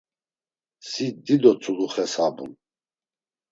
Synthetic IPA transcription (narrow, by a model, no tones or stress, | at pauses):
sid̪id̪ɔt͡sʰʼuɡuχɛsabṵn